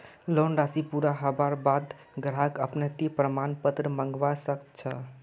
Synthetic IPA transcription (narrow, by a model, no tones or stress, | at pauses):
lonɾasipuɾaɦəbaɾbad̪ | ɡɾakəpnət̪ipɾəmanpət̪ɾəməŋɡʋasəkt͡ʃʰə